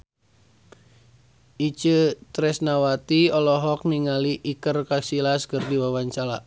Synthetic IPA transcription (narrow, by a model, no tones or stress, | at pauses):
ʔit͡ʃət̪ɾɛsnawat̪iɔlɔɦɔk̚niŋaliʔikərkasilaskərdiwawant͡ʃala